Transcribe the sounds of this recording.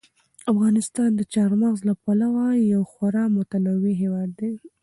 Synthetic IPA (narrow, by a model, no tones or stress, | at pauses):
afɣɑnɪst̪ɑnd̪ət͡ʃɑɾmaɣzlapalawajawxaɾɑmʊt̪anawiɦewɑd̪ːe